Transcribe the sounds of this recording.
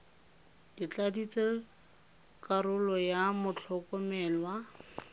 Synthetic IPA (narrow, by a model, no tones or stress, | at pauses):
dit͡ɬadit͡se | kʼaɾʊlɔjamʊt͡ɬʰɔkɔmɛːlwa